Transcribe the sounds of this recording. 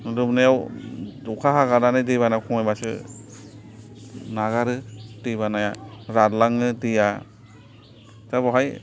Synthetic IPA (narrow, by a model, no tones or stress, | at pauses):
nɯlɯbnajawdɔkʰaɦaɡananɯjdeβanakʰɔŋɔjbasɯ̰ | naɣaɾɯdiβanajaɾaɾlaŋɯdija | tabɔɦaj